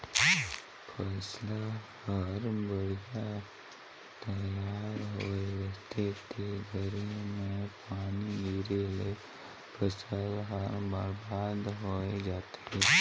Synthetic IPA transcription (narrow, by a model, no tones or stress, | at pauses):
pʰəslahəɾbəɽja | t̪əjaɾɦoeʋat̪et̪eɡʱəɾimepañiɡiɾele | pʰəsəlɦəɾbaɾbad̪ɦoed͡ʒat̪ʰe